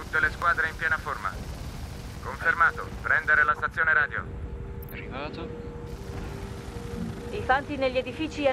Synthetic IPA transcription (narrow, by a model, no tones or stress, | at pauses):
t̪ut̪ːeleskwaːd̪ɾeimpjɛːnaforma̰ | koɱfermaːt̪opɾɛnd̪eɾelast̪at̪sːjoːneɾaːd̪jo̰ | ɾivaːt̪o | ifant̪ineʎːed̪ifiːt͡ʃia